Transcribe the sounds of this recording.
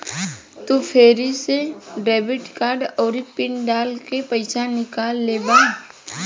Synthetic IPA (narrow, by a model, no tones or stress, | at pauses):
t̪upʰeːɾiseɖɛːbɪʈkaːɾɖɔːɾipɪɳɖaːlkepəɪsanɪkaːlːeːbaː